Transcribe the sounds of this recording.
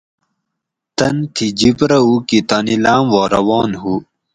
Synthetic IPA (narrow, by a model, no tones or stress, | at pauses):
t̪ɐnt̪ʰid͡ʑipɾɐukit̪ɐnilaːmwɑːɾɐ̰wɑːnɦu